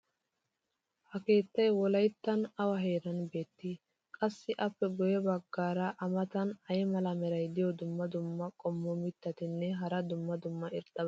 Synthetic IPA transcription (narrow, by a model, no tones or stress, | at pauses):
hɐke̞ːt̪ːɐjwɔlɐjt̪ːɐnɐwɐɦeːɾɐnbe̞ːt̪ːɪ | kʼɐsːɪʔɐpːɛɡɔjɛbɐɡːaːɾɐʔɐmɐt̪ɐnɐjmɐlɐmɛɾɐjd̪ɪjɔd̪ʊmːɐd̪ʊmːɐkʼɔmːɔmɪt̪ːɐt̪ɪnːɛɦɐɾɐd̪ʊmːɐd̪ʊmːɐɪɾd̪ɐb